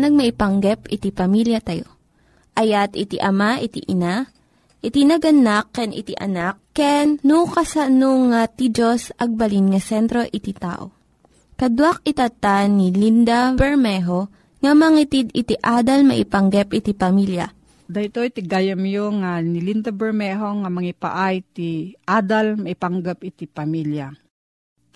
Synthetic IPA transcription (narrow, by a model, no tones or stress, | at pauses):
nɐɡ̚mɐʔɪpɐŋɡɛpɪt̪ipɐmiljɐt̪ɐjo | ʔɐjat̪ɪt̪ḭʔɐmaʔɪt̪iʔɪna | ʔɪt̪inɐɡɐnakːɛnʔɪ̰t̪iʔɐ̰nakːɛnːukɐsanoŋat̪id͡ʒosʔɐɡ̚bɐlinŋɐsɛnt̪ɾo̞ʔɪt̪it̪a̰ːʔo̰ | kɐd̪wak̚ɪt̪at̪anilind̪abɛɹmɛɦo | ŋɐmɐŋit̪id̪ɪt̪iʔaːd̪ɐlmɐ̰ʔɪpɐŋɡɛp̚ʔɪt̪ipɐmilja̰ | d̪ɐt̪ojt̪ɪɡaːjɐmjoŋanilind̪abɛɹmɛɦoŋamɐŋipa̰ʔajt̪iʔad̪almɐɪpaŋɡapɪt̪ipɐmilja